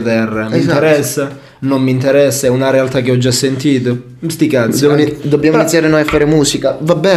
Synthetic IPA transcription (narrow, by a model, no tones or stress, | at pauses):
t̪ɛrːamiinteɾɛsːa | nomːint̪eɾɛsːaɛunaɾealt̪ak̟ːeɔd͡ʒːasːent̪iːt̪o | st̪ikat̪sdsɛd̪objamoinit̪ːjaːɾenojafːaːɾemuːsikavabːɛː